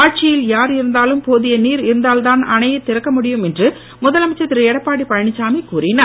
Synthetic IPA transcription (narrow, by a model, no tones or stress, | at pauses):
aːʈ̚t͡ʃɪjɪljaːɾɪɾɯnd̪aːlɯmpoːðɪjɐniːɾɪɾɯnd̪aːlt̪aːnɐnɐjɐt̪ːɪɾɐkːɐmʊɽɪjɯmɛndrɯ | mʊðɐlɐmɐɪt͡ʃːɐt̪ːɪɾɯɛɽɐpːaːɽipɐɻɐɳɪt͡ʃːaːmikuːrɪnɐ